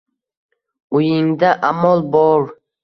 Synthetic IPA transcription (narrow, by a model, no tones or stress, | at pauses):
ujɪŋd̪aʔamɒlˠbɔɾ